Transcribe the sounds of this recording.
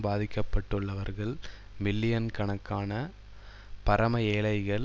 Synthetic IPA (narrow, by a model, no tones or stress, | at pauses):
baːðɪkːɐpːɐʈːɯɭːɐʋɐɾɣɐɭ | mɪlːɪjɐnkɐɳɐkːaːnɐ | pɐɾɐmɐeːɭɐɪɣɐɭ